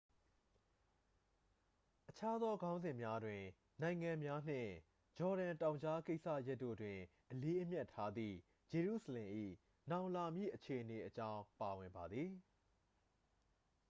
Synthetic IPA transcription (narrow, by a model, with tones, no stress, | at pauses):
ʔət͡ɕʰa˦d̪ɔ˦ɡã˦ʊ̃nzɪ̃˨mja˦dwɪ̃˨ | nã˨ɪ̃ŋã˨mja˦n̥ɪ̰̃˦˨ | d͡ʑɔ˨ɾã˨ntã˨ʊ̃ɲt͡ɕʰa˦ke˦ɪʔsa̰˦˨ja˦tːo̰˦˨dwɪ̃˨ | ʔəle˦ʔəmjɛ˦tʰːa˦d̪ðḭ˦˨ | d͡ʑe˨ɹṵ˦˨səlɪ̃˨ʔḭ˦˨ | nã˨ʊ̃la˨mjḭ˦˨ʔət͡ɕʰe˨ʔəne˨ʔət͡ɕã˦ʊ̃pa˨wɪ̃˨mba˨d̪ði˨